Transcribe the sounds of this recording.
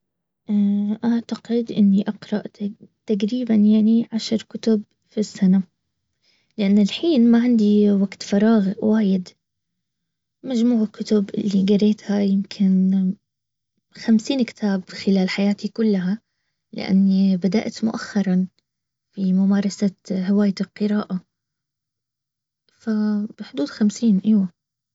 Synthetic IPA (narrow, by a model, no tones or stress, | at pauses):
ʔaʔaʕt̪aqɪd̪ʔɪnːiʔɑqɾˤɑʔt̪t̪aɡɾiːbanjaʕniʕaʃɾˤkʊt̪ʊb | fisːana | lɪʔanːɪlħiːnmaʕɪnd̪iwaɡt̪fɑɾˤɑːɣwaːjɪd̪ | mad͡ʒmuːʕɪkːʊt̪ʊbʔɪ̰lːiɡɑɾeːt̪hajɪmkʰɪn | xamsiːnkɪ̥t̪ʰaːbxɪlaːlħajaːt̪ikʊlːaɦa | lɪ̰ʔa̰nːibad̪a̰ʔt̪mʊ̰ʔaxːɑɾˤɑn | fimʊmaːɾˤɑsaɦawaːjɪlqɨɾaːʔa | fab̥ɪħʊd̪uːd̪xamsiːnʔajwa